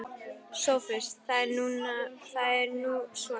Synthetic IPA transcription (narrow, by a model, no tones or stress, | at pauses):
sowfɪst̪θaɛɾnunaθaɛɾnusu